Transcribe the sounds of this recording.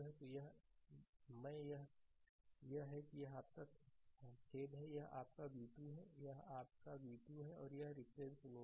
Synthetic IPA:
ɦɛt̪ojɐɦ | mɛ̃ːjɐɦ | jɐɦɦɛkijɐɦaːp̚t̪ɐk | kʰeːd̪ɦɛjɐɦa̰ːp̚kabiːt̪uɦɛjɐɦaːp̚kabiːt̪uɦɛɔːɾjɐɦɾɪpɾeːd̪sʊnõ

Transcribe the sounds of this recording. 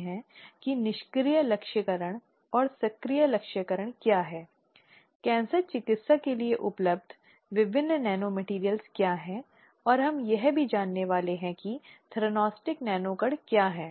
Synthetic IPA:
ɦɛ̃kinɪʃkɾijəlɐkʃəkəɾəɽ̃ | ɔːɾsɐkɾijəlɐkʃəkəɾəɽ̃kjaːɦɛː | kɛ̃ːnsəɾt͡ʃɪkɪt̪sakelieʔʊpləb̚d̪ʱ | ʋɪʋɪnːnɛːnomɛʈiːɾijəlskjaːɦɛ̃ | ɔːɾɦɐmjɛɦbʱid͡ʒaːnːeʋaːleɦɛ̃kit̪ʰɾonɔːsʈɪknɛːnoːkəɽkjaːɦɛː

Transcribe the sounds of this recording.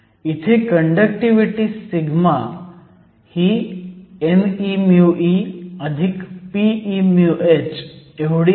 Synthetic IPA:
it̪ʰekəɳɖəkʈiʋiʈisiɡʱma | hi | enimjuʔiəd̪ʱikpiimjuʔet͡ʃeʋɽi

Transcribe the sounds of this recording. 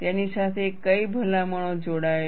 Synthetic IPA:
t̪janisat̪ʰekəibʱəlaməɳ̃od͡ʒoɽae

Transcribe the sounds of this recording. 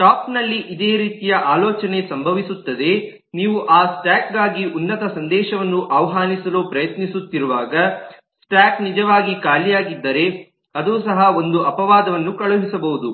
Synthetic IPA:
ʈaːpnɐlːiʔid̪e̞ːɾiːt̪ijɐʔaːlɔːt͡ʃɐne̞sɐmbʱɐʋisut̪ːɐd̪e̞ | niːʋuʔaːsʈaːkɡaːɡiunːɐt̪ɐsɐnd̪ɛːʃɐʋɐnːuʔɐʋɐɦaːnisɐloːpɾɐjɐt̪nisut̪ːiɾuʋaːɡɐ | sʈjaːknid͡ʒɐʋaːɡikaːlijaːɡid̪ːɐɾe̞ | ɐd̪uːsɐɦɐo̞nd̪uɐpɐʋaːd̪ɐʋɐnːukɐɭuɦisɐbɐɦud̪u

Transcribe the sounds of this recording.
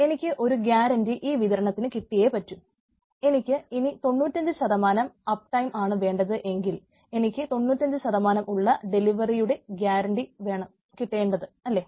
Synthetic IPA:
e̞nikʲːɨʔo̞ɾuɡjaːɾɐɳɖiʔiːʋiðɐɾɐɳɐt̪ːinɨkiʈːije̞pɐtːu | e̞nikʲːɨinit̪o̞nːuːtʲːɐɲd͡ʑɨɕɐðɐmaːnɐmɐp̚ʈɐjmʔaːɳɨʋe̞ːɳɖɐðɨʔe̞ŋɡil | e̞nikʲːɨt̪o̞nːuːtːɐɲd͡ʑɨɕɐðɐmaːnɐmʔuɭːɐɖe̞liʋɐrijuɽe̞ɡjaːɾɐɳɖiʋe̞ːɳɐm | kiʈːe̞ːɳɖɐðɨɐlːe̞

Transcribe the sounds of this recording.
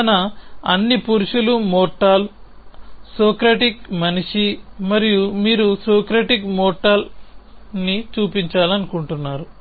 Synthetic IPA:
ɐnɐɐnːipuɾuʂulumɔːʈaːl | soːkɾɐʈikmɐniʂimɐɾijumiːɾusɔːkɾɐʈikmɔːʈːaːl | nit͡ʃuːpiɲt͡ʃaːlɐnukuɳʈunːaːɾu

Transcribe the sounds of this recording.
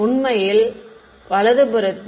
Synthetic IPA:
ʊɳmɐjɪl | ʋɐlɐðɯbɯɾɐt̪ː

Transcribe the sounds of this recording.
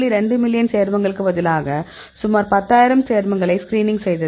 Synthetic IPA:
liɾɛɳɖɯmɪljɐnseːɾmɐŋɡɐɭɯkːɯʋɐðɪlaːɣɐ | sʊmaːɾpɐt̪ːaːjɪɾɐmseːɾmɐŋɡɐɭɐɪskɾiːnɪŋɡsɛjðɐ

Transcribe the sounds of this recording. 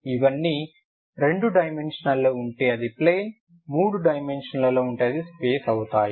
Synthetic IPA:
iʋɐnːi | ɾe̞ɳɖuɖɐjme̞nʂɐnɐlːoːuɳʈeːɐd̪ipleːn | muːɽuɖɐjmenʂɐnlɐlo̞ːuɳʈeːɐd̪ispe̞ːsɐwut̪aːji

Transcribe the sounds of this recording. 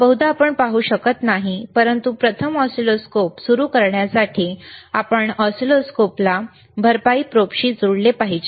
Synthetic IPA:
bəɦud̪ʱaːpəɳpaɦuːɕəkət̪naɦipəɾənt̪upɾət̪ʰəmɔsiloskopsuɾuːkəɾɳjasaʈʰiːapəɳɔsiloskopla | bʱəɾpaiːpɾopɕiːd͡zuɽlepaɦid͡ʑe

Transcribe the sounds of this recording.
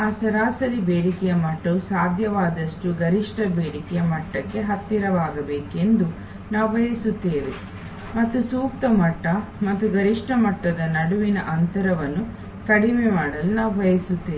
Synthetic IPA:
aːsɐɾaːsɐɾibeːɽikɛjɐmɐʈːɐusaːd̪ʱjɐʋaːd̪ɐʂʈuɡɐɾiʂʈɐbeːɽikɛjɐmɐʈːɐkːe̞ɦɐt̪ːiɾɐʋaːɡɐbeːke̞nd̪u | naːʋuʋɐjɐsut̪ːeːʋe | mɐt̪ːusuːk̚t̪ɐmɐʈːɐmɐt̪ːuɡɐɾiʂʈɐmɐʈːɐd̪ɐnɐɽuʋinɐʔɐnt̪ɐɾɐʋɐnːu | kɐɽimemaːɽɐlunaːʋuʋɐjɐsut̪ːeːe

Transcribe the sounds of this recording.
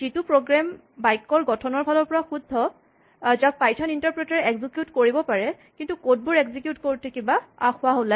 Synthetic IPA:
zitupɹoɡɹam | bajkːɔɹɡɔtʰɔnɔɹbʱalɔɹpɔɹaxudʱːɔ | zak̚pajtʰɔnintaɹpɹɛtaɹɛɛɡzikjutkoɹibɔpaɹɛ | kintukod̚bʊɹɛɡzikjutkoɹtʰekibaa̰xʊaɦola

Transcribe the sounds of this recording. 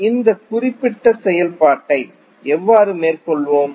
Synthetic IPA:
ɪnd̪ɐkʊrɪpːɪʈːɐsɛjɐlpaːʈːɐɪ | ɛʋːaːɾɯmeːrkɔɭʋoːm

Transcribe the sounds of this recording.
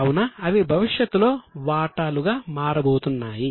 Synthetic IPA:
wunɐːʋibʱɐʋiʂjɐt̪ːulo̞ːʋaːʈaːluɡaːmaːɾɐbo̞ːt̪unːaːji

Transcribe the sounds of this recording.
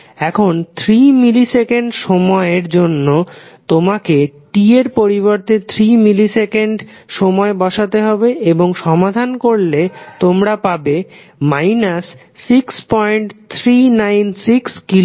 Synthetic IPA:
ɛkʰont̪ʰɾimilisekeɳɖʃɔmɔeɾd͡ʑonːot̪omakeʈieɾpoɾiβoɾt̪et̪ʰɾimilisekeɳɖ | ʃɔmɔebɔʃat̪eɦɔbeʔeboŋʃɔmad̪ʱankoɾlet̪omɾapabe | majnasː | ikspɔjɳʈt̪ʰɾinajnsikskilo

